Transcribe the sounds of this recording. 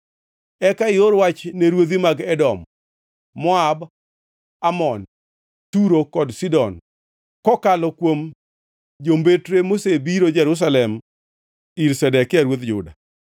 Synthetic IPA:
ɛkaɪoɾwat͡ʃneɾwot̪imaɡɛdɔmː | ɔab | amɔn | tuɾokɔdsidɔn | kɔkalɔkwom | d͡ʒombetɾemosebiɾod͡ʒɛɾʊs̬alɛm | iɾsɛdɛkɪaɾwot̪d͡ʒʊ̰da̰

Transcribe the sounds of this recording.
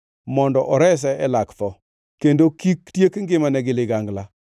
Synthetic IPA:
mɔndɔʔɔɾɛs̬ɛɛlakt̪ɔ | kendokiktjekŋɡɪmanɛɡɪlɪɡaŋɡla

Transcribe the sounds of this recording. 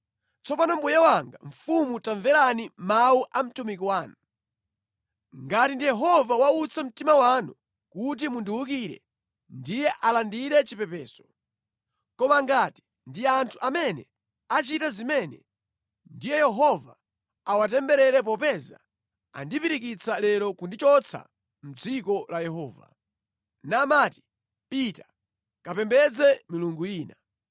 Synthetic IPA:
t͡sɔpanɔmbujawaŋɡa̰ɱ̩fumutaɱvɛɾanimauʔam̩tumikiwaːnu | ŋɡatindijɛɦɔvawaut͡sʰam̩timawanu | kut̬imundiwuk̬iɾɛ̰ | ndijɛʔalandiɾɛt͡ʃipɛpɛːsɔ̥ | kɔmaŋɡati̥ | ndiantʰuʔamɛnɛ̰ | at͡ʃitazimɛnɛ | ndijɛjɛɦɔva | awatɛmbɛɾɛɾɛp̬ɔpɛza̰ | a̰ndipiɾik̬it͡sʰalɛɾɔkundit͡ʃɔt͡sʰa̰ | m̩d͡zikɔlajɛɦɔːva̰ | namati̥ | pita | kapɛmbɛd͡zɛmiluŋɡuiːna

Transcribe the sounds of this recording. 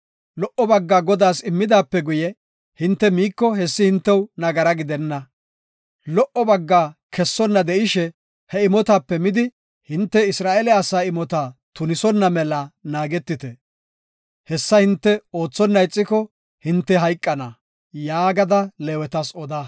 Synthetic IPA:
lɔʔɔbɐɡːaːɡɔd̪aːsɪmːɪd̪aːpːɛɡʊjɛ | hɪnt̪ːɛmiːkːɔɦɛsːɪhɪnt̪ːɛwnɐɡɐɾɐɡɪd̪ɛnːɐ | lɔʔɔbɐɡːaːkɛsːɔnːɐd̪ɛʔɪʃɛ | hɛɪmɔt̪aːpːɛmɪd̪ɪ | hɪnt̪ːɛɪsɾaːʔɛlɛɐsaːɪmɔt̪aːt̪ʊnɪsɔnːɐmɛlɐnaːɡɛt̪ːɪt̪ɛ | hɛsːɐhɪnt̪ːɛo̞ːt͡sːɔnːɐjt͡sʼːɪkɔ | hɪnt̪ːɛɦɐjkʼːɐnɐ | jaːɡɐd̪ɐlɛːwɛt̪ɐsɔd̪aː

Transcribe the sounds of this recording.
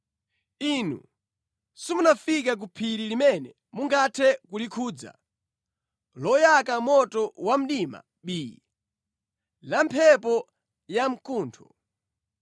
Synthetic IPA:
inṵ | simunafikak̬upʰiɾilimɛnɛ | muŋɡatʰɛkulikʰuːd͡za̰ | lɔjakamɔtɔwam̩ɗima̰ | ɓiːi | lampʰɛpɔ | jam̩kuːntʰɔ̥

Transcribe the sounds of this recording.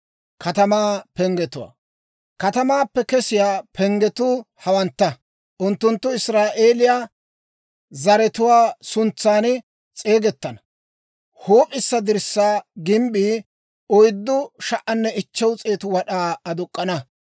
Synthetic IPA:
kʰɐt̪ɐmaːpɛŋɡɛt̪ʊwa̰ː | kɐt̪ɐmaːpːɛkɛsɪjaːpʰɛŋɡɛt̪ʊːhɐwɐnt̪ːɐ | ʔʊnt̪ːʊnt̪ːʊɪsɾaːʔeːlɪjaː | zɐɾɛt̪ʊwaːsʊnt͡sːaːn | t͡sʼe̞ːɡɛt̪ːɐnɐ | hoːpʼɪsːɐd̪ɪɾsːaːɡɪmbiː | ɔjd̪ːʊʃɐʔɐnːɛɪt͡ʃːɛwt͡sʼe̞ːt̪ʊwɐɗaːɐd̪ʊkʼːɐnɐ

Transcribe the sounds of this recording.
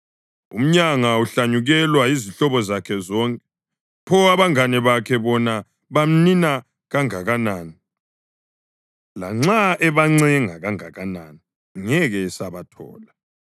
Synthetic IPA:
ṵm̩ɲaŋauɬaɲuɣɛlwaiziɬɔβɔzakʰɛzɔŋkʼɛ | pʰɔaβaŋanɛβakʰɛβɔna | βam̩nina | ɣaŋaɣanaːni | la̰ŋ͡ǁaɛβaŋ͡ǀɛŋaɣaŋa̰ɣanani | ŋɛɣɛsaβatʰɔ̰ːla

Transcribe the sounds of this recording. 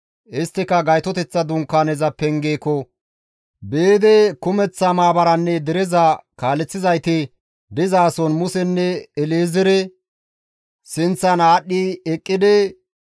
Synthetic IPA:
ʔɪst̪ːɪkɐɡɐjt̪ɔt̪ɛt͡sːɐd̪ʊŋkːanɛzɐpɛŋɡeːkɔ | be̞ːd̪ɛkʊmɛt͡sːɐmaːbɐɾɐnːɛd̪ɛɾɛzɐkaːlɛt͡sːɪzɐjt̪ɪ | d̪ɪzaːsɔnmʊsɛnːɛɛleːzɪɾɛ | sɪnt͡sːɐnaːɗːɪɛkʼːɪd̪ɛ

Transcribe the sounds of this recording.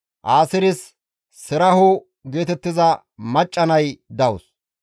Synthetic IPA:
ʔaːsɪɾɪs | sɪɾɐhʊ | ɡe̞ːt̪ɛt̪ːɪzɐ | mɐt͡ʃʼːɐnɐjd̪ɐʊs

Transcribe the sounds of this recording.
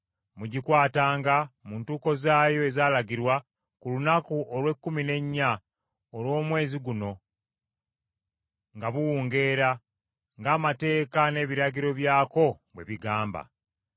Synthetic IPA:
muɟikwaːtaːŋɡamuːntuːko̞zaːjo̞e̞zaːlaɟiɾwa | kulunakuʔolwe̞kːumine̞ɲːa | olwo̞ːmwe̞ːziɡuno̞ | ŋɡaβuwuːŋɡe̞ːɾa | ŋɡaːmate̞ːkane̞ːβiɾaɟiɾo̞βjaːko̞ | bwe̞̰βiɡaːmba̰

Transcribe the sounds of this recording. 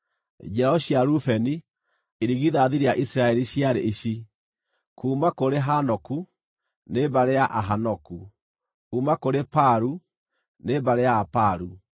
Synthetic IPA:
d͡ʒɛɾɔɕjaɾufɛni | eɾiɣiðaðiɾijaʔisɾaɛɾiɕjaɾeiɕi | kuːmakoɾeɦanɔku | nebaɾejaʔaɦanɔku | kuːmakoɾepaɾu | nebaɾeapaɾu

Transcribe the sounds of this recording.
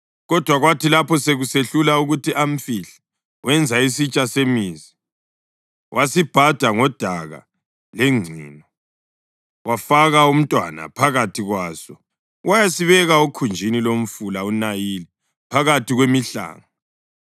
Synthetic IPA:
ɣɔd̥ʱwaɣwatʰilapʰɔseɣuseɬulauɣutʰiʔam̩fiɬḁ | wɛnd͡zʱaisit͡ʃʼasemizi | wʔasib̥ʱad̥ʱaŋɔd̥ʱaɣa̰ | leŋ͡ǀʱḭːnɔ | wafaɣaum̩tʼwa̰na̰pʰaɣatʰiɣwaːsɔ | wajasiβɛɣaokʰund͡ʒʱinilom̩fulaunajili | pʰaɣatiɣwemiɬa̰ːŋa

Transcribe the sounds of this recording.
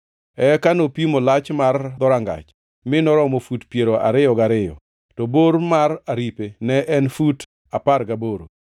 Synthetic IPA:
ɛkanopimolat͡ʃmard̪ɔɾaŋɡa̰t͡ʃ | mɪnɔɾɔmofutpjeɾoʔa̰ɾɪjɔɡaɾɪjɔ̰ | tɔboɾmaraɾipenɛʔɛnfut | apaɾɡaboɾo

